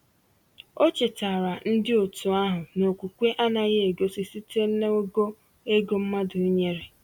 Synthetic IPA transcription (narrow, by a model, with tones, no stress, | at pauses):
o˦t͡ʃɪ˨ta˨ɾa˨n̩˦dɪ˦o˨tu˨a˦ɦʊ˨no˨kʷu˨kʷe˦ʔa˦na˨ɣe˦e˨ɡo˦si˨si˦te˦n̩˦ne˦o˦ɡo˦ | e˦ɡo˦m̩˦ma˦dʊ˨i˦ɲe˦ɾe˨